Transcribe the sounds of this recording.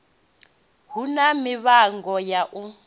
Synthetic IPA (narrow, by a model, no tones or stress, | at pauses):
ɦunamiβaŋɡɔjaʔu